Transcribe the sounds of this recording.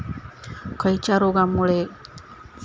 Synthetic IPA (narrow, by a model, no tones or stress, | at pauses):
kʰəit͡ʃaɾoɡamuɭe